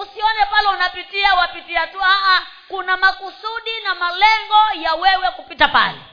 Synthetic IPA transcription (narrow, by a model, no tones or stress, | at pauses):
usiɔnɛpalɛunapitiawapitiatuaʔa | kunamakusuɗinamalɛŋɡɔjawɛwɛkupitapa̰lɛ̰